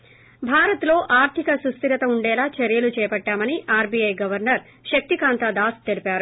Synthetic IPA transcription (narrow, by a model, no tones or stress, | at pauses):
bʱaːɾɐt̪lo̞ːʔaːɾt̪ʰikɐsust̪iɾɐt̪ɐuɳɖɛːlaːt͡ʃɐɾjɐlut͡ʃɛːjɐpɐʈːaːmɐniʔaːɾbiɐjɡɐʋɐɾnɐɾ | ʃɐk̚t̪ikaːnt̪aːd̪aːst̪elipaːɾu